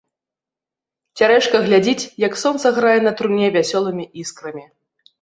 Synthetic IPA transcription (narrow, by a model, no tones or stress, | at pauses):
t͡sʲaɾɛʂkɐɣlʲad͡zʲit͡sʲjɐksɔnt̪sɐɣɾajɛnɐt̪ɾunʲɛvʲasʲɔlˠɨmʲiʔiskɾɐmʲi